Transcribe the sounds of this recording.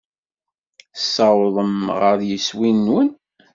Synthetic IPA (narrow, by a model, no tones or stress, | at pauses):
sɑwðˤəmʁəɾjəswinwən